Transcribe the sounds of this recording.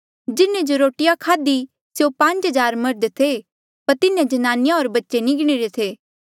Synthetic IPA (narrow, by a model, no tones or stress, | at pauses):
d͡ʒɪnẽd͡ʒoɾoːʈɪjakʰaːd̪i | sjopɐ̃ɲt͡ʃɦɐd͡ʒaːɾmɐɾd̪t̪ʰe | pɐɾt̪ɪnẽd͡ʒɐnaːnɪjãoːɾbɐtːʃenɪɡɽ̃iɾet̪ʰeː